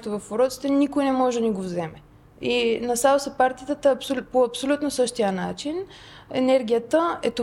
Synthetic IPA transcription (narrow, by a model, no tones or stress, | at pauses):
t̪ovɐfoɾɔt̪si̥t̪ɛnikojnɛmɔʒɛd̪niɡovzɛmɛ | inɐsalˠosɛpaɾt̪it̪ət̪əːpsopoɐpsolʲut̪nosɤʃt̪ijəna̰t͡ʃin | ɛ̰nɛɾɡ̟ijət̪əɛ̰t̪o